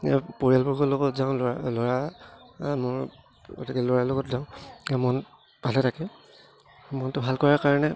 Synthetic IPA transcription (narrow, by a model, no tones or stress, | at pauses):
ɛpoɹialbɔɹɡɔlɔɡɔtzãʊ̃lɔlɔɹa | mɔɹ | ɡo̰tikɛlɔɹalɔɡɔtzãʊ̃ɛmɔn | bʱalɛtʰakɛ | mɔntʊbʱalkɔɹakaɹɔnɛ